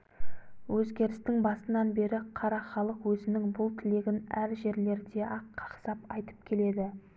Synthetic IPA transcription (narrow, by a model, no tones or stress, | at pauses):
wɵzɡʲe̞ɾɪst̪ɪŋbɑsənɑnbe̞ɾɪqʰɑɾɑχɑlˠəqwɵzɪnɪŋbʊlˠt̪ʰɪle̞ɡʲɪnæɾʒe̞ɾle̞ɾd̪e̞ʔɑqʰːɑ̥qsɑpɑjt̪ə̥p̚kʲʰe̞le̞d̪ɪ